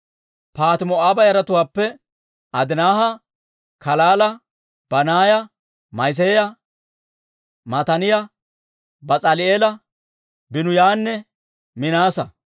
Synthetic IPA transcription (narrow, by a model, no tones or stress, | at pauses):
paːt̪ɪmɔaːbɐjɐɾɐt̪ʊwaːpːɛ | ɐd̪ɪnaːhɐ | kɐlaːlɐ | b̥ɐnaːjɐ | mɐjs̬eːjɐ | mɐt̪ɐnɪjɐ | bɐt͡sʼɐlɪeːlɐ | bɪnʊjaːnːɛ | mɪnaːsɐ